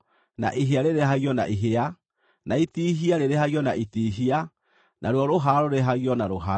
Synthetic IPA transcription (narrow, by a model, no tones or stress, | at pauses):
na̰ʔiɦeaɾeɾeɦaɣiɔna̰ʔiɦea | naitiɦiaɾeɾehaɣjɔnaʔitiɦia | nʔaɾwɔɾoɦaɾoɾeɦaɣiɔnaɾoɦa